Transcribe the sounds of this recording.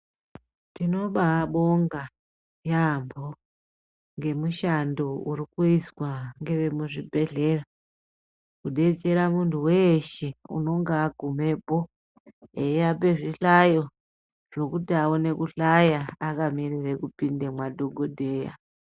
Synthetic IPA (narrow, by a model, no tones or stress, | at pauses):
tino̞ɓaɓo̞ŋɡa | jambʱo | ŋɡe̞muʃandourikuiswaŋɡe̞ʋe̞muʐibʱe̞ɮe̞ra | kuɗe̞d͡ze̞ɾamuntʰuweʃeṵno̞ŋɡaːɡʱume̞po̞ | ejape̞ʐiɬajo̞ | ʐ̥o̞kutawone̞kuɬajaakamirirekupindemwadʱoɡʱodʱe̞ːja̰